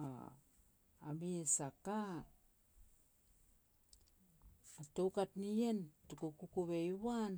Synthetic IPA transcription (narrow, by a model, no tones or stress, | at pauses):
a̰ | a̰miesaka | atowkatnientukukukuβeiwan